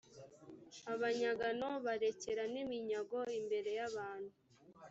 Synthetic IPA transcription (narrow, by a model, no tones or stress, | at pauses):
aβaɲaɡano̞βaɾe̞ceɾanimiɲaɡo̞imbe̞ɾe̞jaβaːn̥hu